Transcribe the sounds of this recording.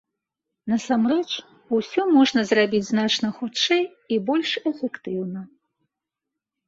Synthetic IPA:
nɐsamrɛt͡ʂ | usʲɔmɔʐnɐzrabʲit͡sʲznat͡ʂnɐxut͡ʂɛj | ibɔlʲʂɛfʲɛkt̪ɨwnɐ

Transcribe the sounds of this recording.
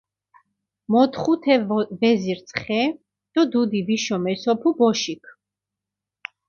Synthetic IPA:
mɔt̪ʰχut̪ʰɛvɛziɾt̪sʰχɛ | d̪̥ɔd̪ud̪iviʃɔmɛsɔpʰubɔʃikʰ

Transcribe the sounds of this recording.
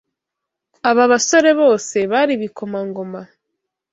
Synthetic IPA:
aβaβaso̞ɾe̞βo̞ːse̞βaɾiβiko̞maŋɡo̞ma

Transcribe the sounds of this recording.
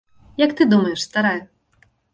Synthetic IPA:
jakt̪ɨd̪umɐjɛʂst̪aɾajɛ

